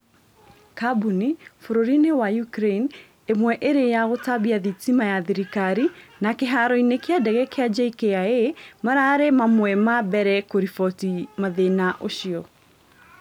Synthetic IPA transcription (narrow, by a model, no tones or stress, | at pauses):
kabunifoɾoɾinewajukɾen | emwɛʔeɾejaɣotaβiaðitimajaðiɾikaɾinakeɦaɾɔinekeadɛɣɛkead͡ʒaikeaemaɾaɾemamwɛmabɛɾɛkoɾifɔtimaðenaʔoʃiɔ